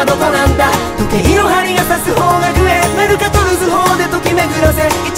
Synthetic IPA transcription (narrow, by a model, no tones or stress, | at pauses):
d̪okonãnd̪at̪okeiɾoɦaɾʲiɡat̪asɨɦoːɡaɡɯ̟emaɾɯ̟kat̪oɾɯzɨɦoːd̪e̞t̪okʲimeɡɯɾosei